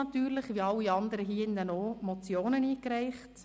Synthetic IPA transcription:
ɑt̪yːɾlɪχʋiːɑlːiɑnd̪əɾəɦiːɪndɛnomɔt͡sjoːnəniːkɾɛɪχt

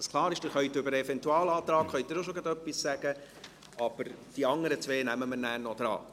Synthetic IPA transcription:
sklˠɑːɾɪʃd̥ɪχœɥt̪ʏbəɾəɛfɛntuɑːlɑːt̪ɾɑːkχœʏjt̪ɪɾʃoʃoɡɑt̪œpːissæɡ̥ə | ɑb̥əɾd̥iɑŋəɾət͡sʋeːnæməmənæːɾnɔd̥̪ɾɑ̰ː

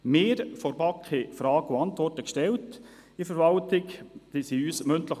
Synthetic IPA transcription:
mɪːɾfɔɾbɑkχefɾɑːɡʊɑntʋɔrtəkʃtɛlt | ifəɾʋɑltɪkd̥isiyːsmɵntləχ

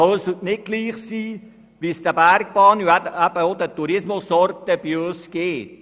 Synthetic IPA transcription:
ɑsʊtnɪt̚ɡ̥liːχsiː | ʋiːsd̥̪əbæɾk̚b̥ɑːnuææbəod̪ət̪uɾɪsmʊsɔɾtəb̥iøsɡ̥eːt

